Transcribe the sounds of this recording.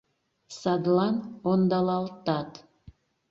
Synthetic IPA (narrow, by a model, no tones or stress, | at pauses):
sɑd̪lˠɑnond̪ɑlˠɑlˠt̪ɑt̪